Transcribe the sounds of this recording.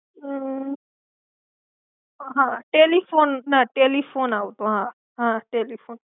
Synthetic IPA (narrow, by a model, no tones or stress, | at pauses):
ɦãʈelipʰonnaʈelipʰonawt̪oɦã | ɦãʈelipʰon